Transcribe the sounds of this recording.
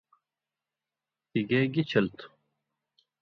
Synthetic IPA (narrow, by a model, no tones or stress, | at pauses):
t̪iɡeːɡit͡ɕʰɐlt̪u̥